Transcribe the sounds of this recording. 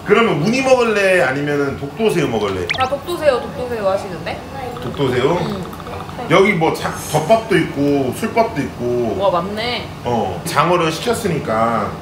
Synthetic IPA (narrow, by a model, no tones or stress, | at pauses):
kɯɾʌmjʌnmuɲimʌɡɯɭːe̞aɲimjʌnɯntok̚t͈osʰe̞jomʌɡɯɭːe̞̰atok̚t͈osʰe̞jotok̚t͈osʰejoɦaɕʰinɯnde | tok̚t͈osʰe̞jo | jʌɡimwʌt͡ɕak̚t͡ɕʌk̚p͈ap̚t͈oik̚k͈osʰuɭp͈ap̚t͈oik̚k͈oʌmanne | ʌt͡ɕaŋwʌɾɯɭɕʰi̥kʰjʌs͈ɯɲik͈a